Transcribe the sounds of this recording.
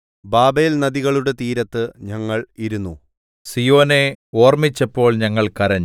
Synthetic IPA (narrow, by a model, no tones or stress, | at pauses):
baːbeːlnɐðiɣɐɭuɽe̞t̪iːɾɐt̪ːɨɲɐŋːɐɭiɾunːu | sijo̞ːne̞o̞ːrmit͡ɕːɐpːo̞ːɭɲɐŋːɐɭkɐɾɐɲː